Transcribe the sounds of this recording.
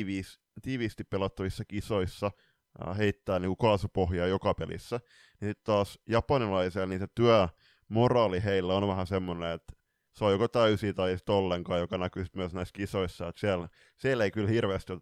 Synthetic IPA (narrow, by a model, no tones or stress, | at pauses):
ʋiːs | t̪iːʋiːst̪ippelɑt̪ːɑʋisːɑkisoisːɑ | heit̪ːæːniːŋkukɑːsupohjɑːjokɑpelḭsːæ | nisit̪t̪ɑːsjɑpɑnilɑiselniːset̪yæ | morɑːliheilːæonʋæhæsemːoneet̪ | seojokot̪æysiːt̪ɑijsi̥t̪olːeŋkɑːjokɑnækysit̪myæsnæiskisoisːɑet̪siæl | sieleikylhirʋeːst̪io